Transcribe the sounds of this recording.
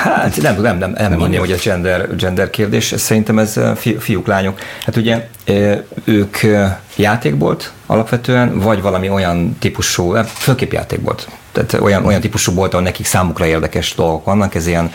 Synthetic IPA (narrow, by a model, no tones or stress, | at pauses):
hat̪nɛmt̪ud̪ɛmnɛmɛmɛmõnijhoɟɛzd͡ʒɛnd̪ɛrd͡ʒɛnd̪ɛrkeːrd̪eːʃɛ̰sɛɾint̪ɛmɛzfifijuklaːɲokhat̪uɟɛ | øøːkʰ | jaːt̪eːɡbo̞̰lt̪ɒ̰lɒpʋɛt̪øːɛnvɒɟvɒlɒmio̞jɒnt̪ipuʃuːɛføːlkeːpja̰ːt̪ḛːɡ̚bo̰lt̪ | t̪a̰ːt̪o̰jɒnʔo̞jɒnt̪ipuʃuːbo̞lt̪ɒɦonɛkiksaːmukrɒeːrd̪ɛkɛʃd̪o̞lɡo̞kʋɒnːɒkɛzijɛn